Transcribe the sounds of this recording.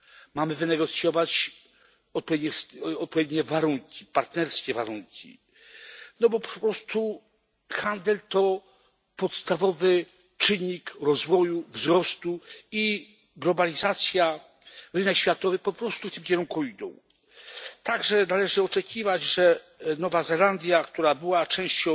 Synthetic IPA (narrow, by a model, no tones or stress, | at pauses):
mamɘvɘnɛɡɔt̪sʲjɔvat͡ɕ | ɔt̪̚pɔed̪ɲɛsɔt̪̚pɔvʲjed̪ɲɛvaɾuŋkʲi̥paɾt̪nɛɾskʲɛvaɾuŋkʲḭ | nɔbɔppɾɔst̪u | xand̪ɛlt̪ɔ | pɔt̪st̪avɔvɘ | t͡ʂɘɲːikɾɔzvɔjuvzɾɔst̪ui | ɡlɔbalʲizat̪sʲja | ɾɘnɛkɕfʲjat̪ɔvɘpɔpɾɔst̪uft̪ɘmkʲɛɾuŋkuid̪ɔ̰̃w̃ | t̪aɡʐɛnalɛʐɘɔt͡ʂɛkʲivad͡ʑʐɛ | nɔvazɛland̪ʲjakt̪uɾabɘwat͡ʂɛ̃w̃ɕt͡ɕɔ̃w̃